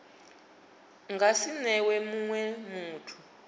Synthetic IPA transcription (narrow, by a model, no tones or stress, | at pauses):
ŋɡasinɛwɛmuŋwɛmuːtʰu